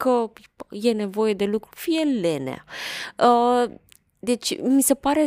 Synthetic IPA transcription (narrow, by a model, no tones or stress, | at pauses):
kə | jene̞vo̞je̞d̪e̞lukɾufijelenḛa̰ə | d̪e̞t͡ʃʲmise̞paɾe